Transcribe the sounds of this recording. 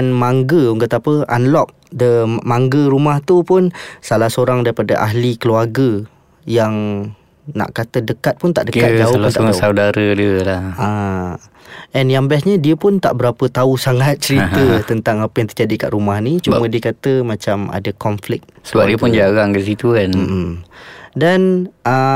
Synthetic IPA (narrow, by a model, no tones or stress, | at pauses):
nmaŋɡəuŋɡət̪apəa̰nlɔk̚ | dəmaŋɡəɾumaht̪upʊnsalahsoɾaŋdaɾipada̰ʔa̰ɦlikəluarɡə | jaŋ | na̰ʔkat̪ədəkat̪̚pʊnt̪aʔdəad͡ʒaoaaaudaɾədiəlaa | ɛnjaŋbasɲədiəpʊnt̪a̰ʔbəɾapət̪ausaŋat̪̚t͡ʃəɾiət̪ənt̪aŋapəjaŋt̪ərd͡ʒadika̰ʔɾumahnit͡ʃumə̃diəkat̪əmãt͡ʃama̰dəkɔmflɪk̚t̪̚səbap̚diəpʊnd͡ʒaɣaŋkəs̬it̪ukanm̩ʔ | danə